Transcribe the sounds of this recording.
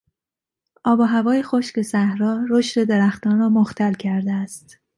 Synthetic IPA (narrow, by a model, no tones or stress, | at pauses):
ʔɒːbɒɦævɒːjexoʃce̞sæhɾɒːɾoʃt̪e̞d̪eɾæxt̪ɒːnrɒːmoxt̪ælcʰæɾd̪eæst̪